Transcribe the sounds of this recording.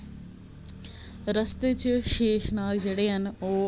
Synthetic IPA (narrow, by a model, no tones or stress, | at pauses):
ɾɐst̪et͡ʃʃeːʃnaːld͡ʒeːɽeːɐnoː